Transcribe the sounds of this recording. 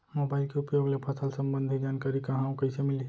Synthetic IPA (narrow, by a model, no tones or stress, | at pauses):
moːbaɪlkeʊpjoːɡlepʰɐsalsə̃mbə̃nd̪ʱid͡ʒaːnkaːɾikɐɦãũkəɪsemɪli